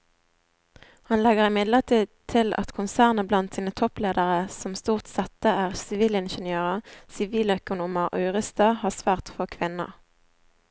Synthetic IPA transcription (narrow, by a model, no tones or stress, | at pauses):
hɑnlɛɡəʁɪmɪd̪ləʁt̪ʰiːd̪̚t̪ʰɪlɑ̰t̪kʰʊnsæːʁnəblɑnt̪siːnət̪ʰɔpleːd̪əʁəsɔmst̪uːʁt̪sɛt̪əæːʁsɪʋiːlɪnʃənjøːʁɑsɪʋiːlœkʊnuːməʔœʏʁəst̪ɑːhɑːsʋæːʁt̪foːkʰʋɪnɑ̰